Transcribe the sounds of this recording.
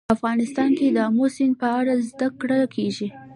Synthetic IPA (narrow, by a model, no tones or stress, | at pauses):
afɣɑnɪst̪ɑnked̪əmosɪnpəaɽazd̪akɽakʰeʒi